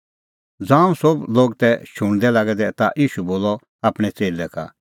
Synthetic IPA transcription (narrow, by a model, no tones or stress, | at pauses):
d͡zãːũsobloːɡt̪ɛʃʊɽ̃d̪ɛlaɡɛd̪ɛt̪aʔiːʃuboːlɔ | aːpɽ̃ɛt͡seːlɛka̰